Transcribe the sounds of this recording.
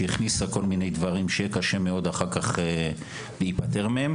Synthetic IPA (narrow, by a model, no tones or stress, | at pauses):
eiχnisako̞lminejd̪vaʁimʃejekaʃe̞meo̞d̪aχaʁkaχe | leipat̪e̞ʁmeem